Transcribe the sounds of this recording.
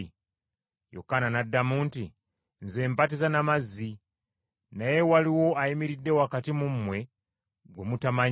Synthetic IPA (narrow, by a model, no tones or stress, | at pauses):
jo̰kananadamuːnti | nzembat̬izanamazi | najewaliwo̞aimiɾidːe̞wakatimummwe̞ | ɡwemutamaɲ